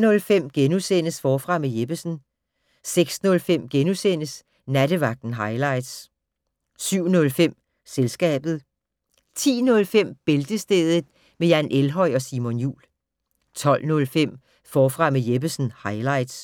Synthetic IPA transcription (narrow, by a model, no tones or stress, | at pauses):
nɔ̽lfem̰ɡ̥enusen̰əsfɒːfʁɑ̈mejeb̥əsn̩ | seɡ̥snɔ̽lfem̰ɡ̥enusen̰əs | næɾ̥əʋɑ̈ɡ̥̚d̥n̩ɦɑ̈ɪlɑ̈ɪd̥s | syʊ̰nɔ̽lfem̰ | selsɡ̥ɛ̰ːb̥ð̞̩ˠ | t͡sʰḭːnɔ̽lfem̰b̥e̝ld̥əsd̥eːð̩ˠ | mejænʔelɦɒ̽ɪɒ̽siːmonjṵːl | t͡sʰɒ̽l̰nɔ̽lfem̰ | fɒːfʁɑ̈mejeb̥əsn̩hɑ̈ɪlɑ̈ɪ̰d̥s